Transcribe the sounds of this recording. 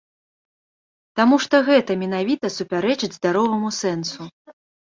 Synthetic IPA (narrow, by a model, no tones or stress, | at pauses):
t̪amuʂt̪ɔɣɛt̪ɐmʲɛnavʲit̪ɐsupʲaɾɛt͡ʂɨd͡zʲzd̪aɾɔvɐmusɛnsu